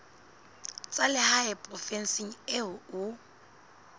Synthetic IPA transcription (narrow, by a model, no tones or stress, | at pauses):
t͡sʼalɪhaɛpʼrɔfɛnsiŋ̩ɪʊʊ